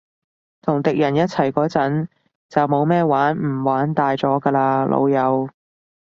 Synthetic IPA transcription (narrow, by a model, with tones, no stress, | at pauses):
t̪ʰʊ˨˩ŋt̪ɪ˨k̚jɐ˨˩njɐ˥t̚t͡sʰɐ˨˩jkɔː˨˧˥t͡sɐ˨˥n | t͡sɐ˨wmo˨˧wmɛː˥˧waː˨˥nm̩˨˩waː˨˥nt̪aː˨˧jt͡sɔː˨˥kɐː˧laː˧lʔo̰˧wjɐ˨˧w